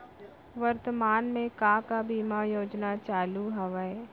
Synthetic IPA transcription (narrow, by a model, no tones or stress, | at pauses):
ʋɐɾt̪əmaːnmẽkãːkabiːmajoːd͡ʒnat͡ʃaːluɦɐʋəe